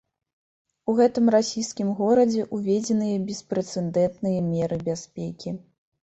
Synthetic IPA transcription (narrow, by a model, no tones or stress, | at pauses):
uɣɛt̪ɨmrasʲijskʲimɣɔɾɐd͡zʲɛʔuvʲɛd͡zʲɛnɨjɐbʲɛspɾɛt̪sɛnd̪ɛnt̪nɨjɐmʲɛɾɨbʲaspʲɛkʲi